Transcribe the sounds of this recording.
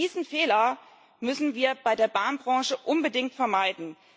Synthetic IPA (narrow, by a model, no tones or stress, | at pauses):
iːzn̩feːlɐ | mʏsn̩viːɐbaɪdeːɐbaːnbʁɑ̃ːʃəʔʊnbədɪŋtfɛɐmaɪdn̩